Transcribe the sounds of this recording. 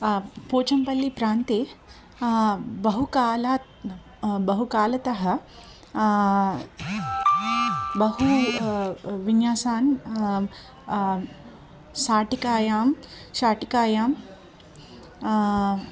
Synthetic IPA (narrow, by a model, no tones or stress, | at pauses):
poːt͡ʃɐmpɐlːipɾaːnt̪eː | bɐɦukaːlaːt̪ | bɐɦukaːlɐt̪ɐɦɐ̆ | bɐɦu | ʋinjaːsaːn | saːʈikaːjaːmʃaːʈikaːjaːm